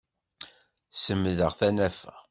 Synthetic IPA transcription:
səmːðəʁθænæfəʁ

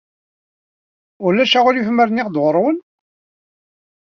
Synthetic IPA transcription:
ʊɾlæʃaʁʊɾjifməɾniʁd̪ʁəɾˤwən

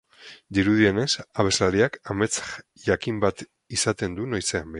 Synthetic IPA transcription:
d̪iɾuð̞ie̞ne̞saβ̞e̞zlaɾiakame̞t͡sʝakimbat̪ | isat̪e̞nd̪unojse̞ambe

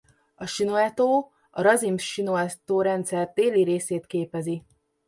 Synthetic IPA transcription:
ɒʃinoɛt̪oː | ɒɾɒzimʃinoɛt̪oːɾɛnt̪sɛrt̪eːliɾeːseːt̪keːpɛzi

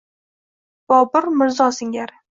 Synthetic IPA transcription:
b̥ɒbɪɾmɪɾzɒsɪŋʲaɾ

